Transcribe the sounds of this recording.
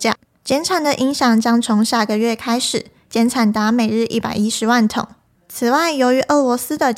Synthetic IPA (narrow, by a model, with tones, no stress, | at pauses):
a̰˥˨˩ | t͡ɕjɛ˧˥nʈ͡ʂʰa˨˩nd̪ə˨ʔi˧˥ŋɕjɑ˨˩ŋt͡ɕjɑ˥ŋt͡sʰo˧˥ŋɕja˥˩ɡə˨ɥɛ˥˩kʰa˥ɪʂɻ̩˨˩˦ | t͡ɕjɛ˧˥nʈ͡ʂʰa˨˩nt̪a˧˥me˨˩ɪɻɻ̩˥˧ʔi˥˩pa̰˨˩ɪi˥ʂɻ̩˧˥wa˥˩nt̪ʰʊ̰˨˩˦ŋ | t͡s̩ʰ˨˩wa˥˩ɪjo˧˥ʊy˧˥ʔɤ˥˩lwɔ˧˥sɹ̩˥d̪ə˨